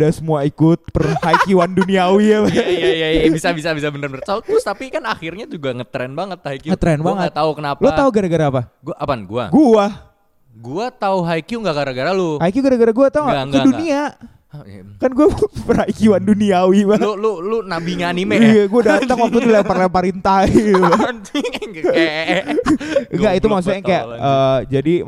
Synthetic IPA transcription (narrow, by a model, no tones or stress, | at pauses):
dasəmuaikʊt̪̚pərhaikiwanduniawiabajajabisabisabisabənərmərsalt̪ʊst̪apikanaxirɲad͡ʒuɡaŋət̪ɾɛnbaŋət̪̚haikiŋət̪ɾɛnbaŋəɡt̪t̪aukənaplot̪auɡaɾaɡaɾaːpaɡuaʔapanɡua̰ɡua | ɡuat̪auɦaikjuŋɡaʔɡaɾaɡaɾalʊhaikiuɡaɾaɡaɾaɡuat̪auaŋkədunia | kanɡuapərhaikiwanduniawibaololʊnabiɲanimeiaɡuadat̪əŋwak̚t̪ud̪ilapərlɛpaɾint̪ai | ŋɡaʔit̪umas̬uaŋaja̰ʔəd͡ʒadi